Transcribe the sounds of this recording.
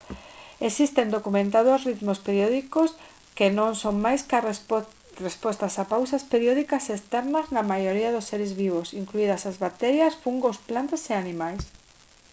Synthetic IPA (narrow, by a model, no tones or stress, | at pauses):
esist̪end̪okumẽnt̪aðosrit̪mospeɾjoðikos | kenõŋsoŋmajsk | respɔst̪asapawsaspeɾioðikɐsest̪ɛɾnɐznɐmajoɾiɐðosːeɾɪzβiβ̞osiŋkluiðɐsazβat̪ɛɾjɐsfuŋɡosplant̪aseanĩmajs